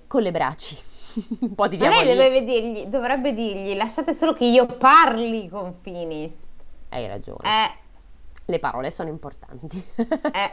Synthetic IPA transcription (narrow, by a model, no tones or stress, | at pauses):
kolebɾa̰ːt͡ʃːi | mpɔd̪id̪jalɛjd̪ɛveved̪irʎid̪ovɾɛbːed̪irʎilaʃːaːt̪esoːlokeiːoparlikoɱfiːnisa̰jɾa̰d͡ʒo̰ːn̰ɛ | lepaɾɔ̰ːlesoːnoimport̪a̰nt̪iɛ